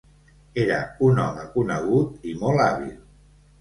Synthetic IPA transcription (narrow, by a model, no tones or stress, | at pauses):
eɾəunɔ̰məkunəɣ̞ut̪imɔlˠaβḭlˠ